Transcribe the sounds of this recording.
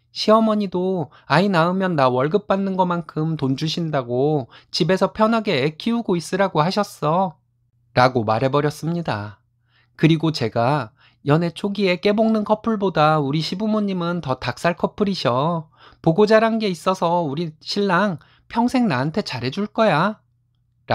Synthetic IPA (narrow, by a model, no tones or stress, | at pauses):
ɕʰiʌmʌɲido | ainaɯmjʌnːawʌɭɡɯp̚p͈anːɯnɡʌmankʰɯmtond͡ʑuɕʰindaɡot͡ɕibe̞sʰʌpʰjʌnɦaɡe̞ekʰiuɡois͈ɯɾaɡohaɕʰʌs͈ʌ | ɾaɡomaɾɦe̞bʌɾjʌs͈ɯmɲida̰ | kɯɾiɡot͡ɕe̞ɡa | jʌne̞t͡ɕʰoɡie̞k͈e̞boŋnɯnkʰʌpʰuɭbodauɾiɕʰibumoɲːimɯntʌtak̚s͈aɭkʰʌpʰɯɾiɕʰjʌ | poɡod͡ʑaɾanɡe̞is͈ʌsʰʌuɾiɕʰiɭːaŋ | pʰjʌŋsʰe̞ŋnaantʰe̞t͡ɕaɾɦe̞d͡ʑuɭk͈ʌja | ɾ